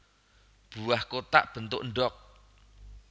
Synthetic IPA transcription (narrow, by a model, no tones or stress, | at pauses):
b̥ṳahkot̪a̰ʔb̥ə̤nt̪ʊʔɳɖɔk̚